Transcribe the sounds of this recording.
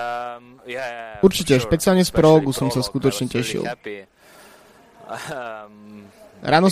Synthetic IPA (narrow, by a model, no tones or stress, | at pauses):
uɾt͡ʃicɛʃpɛt͡sialɲɛspɾɔlɔɡusɔmsaskut̪ɔt͡ʃɲɛcɛʃḭl | ɾaːnɔ